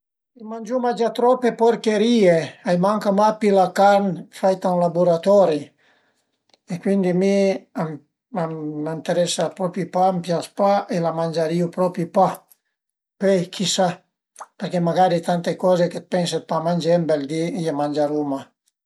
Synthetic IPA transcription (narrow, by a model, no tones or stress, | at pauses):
imand͡ʒumad͡ʒat̪ɾɔpːepoɾkeɾieajmaŋkamapilakaɾnfajt̪aũnlabuɾat̪ɔɾi | ekwind̪imiam | aant̪eɾɛsapɾɔpipampjaspaʔelamand͡ʒaɾiupɾɔpipa | pejkʰisa | peɾkemaɡaɾit̪ant̪ekɔzeket̪̚pɛnset̪̚pamand͡ʒɛmbeld̪iamand͡ʒaɾuma